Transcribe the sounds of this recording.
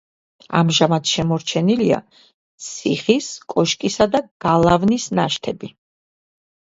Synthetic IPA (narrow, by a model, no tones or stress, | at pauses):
a̰mʒamat̪ʰʃɛmɔɾt͡ʃʰɛnilia̰ | t̪sʰiχiskʼɔʃkʼisad̪aɡ̥alˠavnisnaʃt̪ʰɛbi